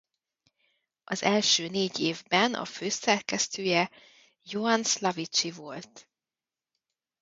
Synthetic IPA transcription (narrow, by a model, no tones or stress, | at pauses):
ʔɒzɛlʃøːneːɟeːvbɛnɒ̰føːsɛrkɛst̪øːjɛ | joɒnslɒvit͡ʃivo̞lt̪